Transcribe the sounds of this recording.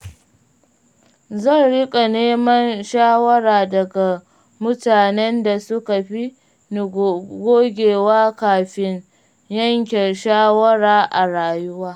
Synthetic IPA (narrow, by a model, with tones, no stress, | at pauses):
zɐ˦˨nɽɪ˦kʼa˨neː˦mɐ˦nʃaː˦wɐ˦ɾaː˨dɐ˨ɡa˨ | mʊ˦taː˨nɛ˦nda˨sʊ˦ka˨ɸi˦ | n˨ɡʷoː˦ɡʲeː˨waː˦kaː˨ɸɪ˦n | jɐ˦ŋk̬ʲɛ˨nʃaː˦wɐ˦ɾaː˦ʔa˨ɾaː˨jʊ˦waː˦